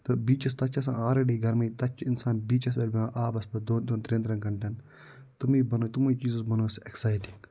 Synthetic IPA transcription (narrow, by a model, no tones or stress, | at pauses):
t̪ɨbiːt͡ʃɐst̪ɐt͡ʃʰɐs̬ã̰ːaːɾeɖiːɡɐɾmɐit̪ɐt͡ʃʰinsaːnbiːt͡ʃɐs̬ʋelbiãːʔaːbɐspɐd̪oːnd̪oːnt̪ɾẽːnt̪ɾɐnɡɐɳʈɐn | t̪umiːbɐnoːt̪umuit͡ʃiːzusbɐnoːseksaːjʈiŋɡ